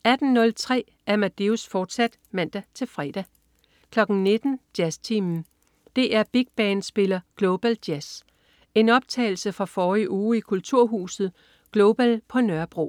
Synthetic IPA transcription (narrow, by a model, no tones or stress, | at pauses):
æd̥n̩nɔ̽lt͡sʰʁɛ̰ː | æɐmæd̥e̝usfɒːd̥sæd̥mæn̰d̥æt͡sʰe̝lfʁɛːd̥æ | kʰlɒ̽ɡ̥n̩ne̝d̥n̩d̥jæst͡sʰimn̩ | d̥e̝ʔæɐb̥iɡ̥̚b̥ɛːnsb̥e̝lɐɡ̥lo̝b̥æld̥jæs | e̝nɒ̽b̥̚t͡sʰɛ̰ɪl̩səfʁɑ̈fɒːiʔuːikʰult͡sʰuɐ̰ɦuːsð̩ˠ | ɡ̥lo̝b̥ælpʰɒ̽nɶɐb̥ʁo̝̰